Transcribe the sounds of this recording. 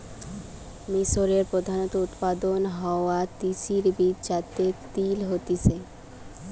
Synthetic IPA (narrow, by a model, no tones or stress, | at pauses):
miʃoɾeɾpɾod̪ʱanot̪out̪pad̪onɦɔoat̪isiɾbid̪d͡ʑat̪ːet̪ilɦot̪isʰe